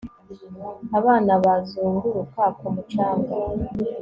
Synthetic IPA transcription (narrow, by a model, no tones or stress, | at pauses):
aβaːnaβazuːŋɡuɾukakomut͡ʃaːŋɡa